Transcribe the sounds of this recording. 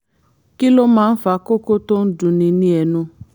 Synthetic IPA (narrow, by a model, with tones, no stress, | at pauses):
ki˦lo˦mãː˦˧n̩˦fa˦˧˦ko˦ko˦to˦n̩˦dũ˨˧nĩ˧nĩ˧˦ɛ˧nũ˧